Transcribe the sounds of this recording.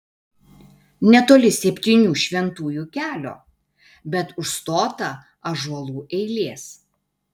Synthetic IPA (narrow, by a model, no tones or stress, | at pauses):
nʲɛt̪oːlʲɪsʲɛpʲt̪ʲiːnʲuːʃʲʋʲɛnt̪uːjuːkʲæːlʲo̰ː | bʲɛt̪ʊʃst̪oːt̪ɐ | ɐʒuɔlˠuːʔɛɪlʲiɛs